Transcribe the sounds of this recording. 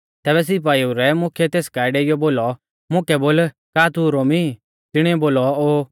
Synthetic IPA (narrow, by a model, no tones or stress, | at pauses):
t̪ɛːβɛs̬ɪp̬aːiuɾɛmʊ̃kʰɛt̪eːskaːɪɖeɪjɔboːlɔ | mʊ̃kɛboːl | kaːt̪uɾoːmi | t̪ɪɽ̃iboːlɔoː